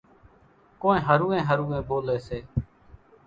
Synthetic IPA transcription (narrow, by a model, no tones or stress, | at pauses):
koːnẽːɦəɾũːẽːɦəɾuːẽːboːleːseː